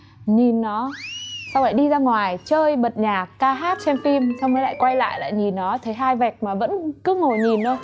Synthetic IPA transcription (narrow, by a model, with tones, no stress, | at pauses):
ɲi˨˩nːɔ˨˦sa˧wʔa̰ː˧˨ɗi˧zaː˧ŋwaː˨˩jt͡ɕəː˧jɓə˨˩t̚ɲaː˨˩kːaː˧ɦaː˦˥t̚t͡ɕɛ˧mfi˧msa˧wmə˨˦la̰ː˧˨jkwa˧jla̰ː˧˨jla̰ː˧˨jɲi˨˩nːɔ˨˦t̪ʰə˨˦jɦaː˧jvɛ˨˩k̚maː˨˩və̰˧˥nkɨ˨˦ŋo˨˩ɲi˨˩nːo˧˦